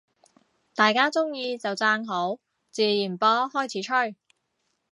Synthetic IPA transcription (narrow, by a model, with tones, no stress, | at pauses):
t̪aː˨jkaː˥t͡sʊ˥ŋjiː˧t͡sɐ˨wt͡saː˧ŋɦo˨˥w | t͡siː˨˧jiː˨˩npɔː˥hɔː˥jt͡sʰiː˨˥t͡ʃʰɵ˥˩ɥ